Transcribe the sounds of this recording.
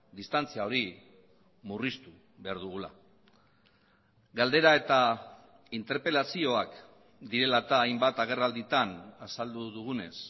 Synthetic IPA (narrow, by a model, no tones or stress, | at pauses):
d̪ist̪ant͡siao̞ɾi | murist̪u | βe̞aɾðuɣ̞ula̰ | ɡald̪e̞ɾae̞t̪a | int̪e̞ɾpe̞lasio̞ak | d̪iɾe̞lat̪aːjmbat̪aɣ̞e̞rald̪it̪anasald̪uðuɣ̞une̞s